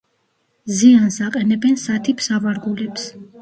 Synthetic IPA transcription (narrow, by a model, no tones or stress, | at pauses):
ziansaqʼɛnɛbɛnsat̪ʰipʰsavaɾɡulɛps